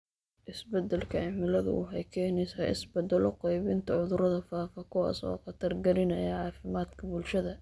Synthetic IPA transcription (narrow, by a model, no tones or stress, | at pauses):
ʔɪsbɐd̪ɛlkʰɐʕɪmɪlɐðʊ̰ʊ̰ħɛjkʰɛːnɛsɐːʔɪ̰sbɐd̪ɛlɔqɛjβɪnt̪ʰɐʕʊðʊɾɐðɐfaːfɐkʰʊwa̰ːsɔ̰ːqɑt̪ʰɐrɡɐɾɪnɐjɐʕɑːfɪmaːd̪kʰɐbʊlʃɐðɐ